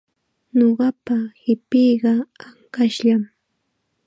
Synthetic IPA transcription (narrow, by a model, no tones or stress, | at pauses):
ɲoɢɑpahɪpijɢɑaŋkaʃʎam